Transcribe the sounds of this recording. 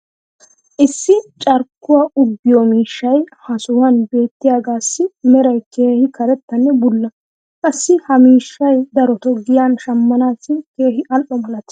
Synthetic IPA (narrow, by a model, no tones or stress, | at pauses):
ʔɪsːɪt͡ʃʼɐɾkːʊwaːʔʊbːɪjɔmiːʃːɐjhɐsʊwɐnbe̞ːt̪ːɪjaːɡaːsːɪmɛɾɐjke̞ːhɪkɐɾɛt̪ːɐnːɛbʊlːɐ | kʼɐsːɪhɐmiːʃːɐjd̪ɐɾɔt̪ɔɡɪjanʃɐmːɐnaːsɪke̞ːhɪʔɐlʔɔmɐlɐt̪